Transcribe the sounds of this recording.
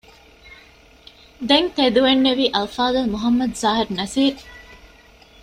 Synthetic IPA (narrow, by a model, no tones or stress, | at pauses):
d̪eŋt̪ed̪uʋenːeʋiːʔɐlfaːd̪ɐlmuɦɐmːɐd̪zaːɦiɾnɐsiːɾ